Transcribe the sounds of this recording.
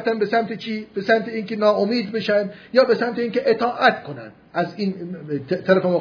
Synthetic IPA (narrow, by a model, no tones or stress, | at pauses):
ft̪ænbesæmt̪ʰet͡ʃʰiːb̥esæmt̪ʰeiːŋkʲʰenɒːomiːd̪beʃænjɒːbesæmt̪eiːŋkʲeʔet̪ʰɒːʔæt̪kʰo̞næ̰næziːnt̪ʰæɾæfemo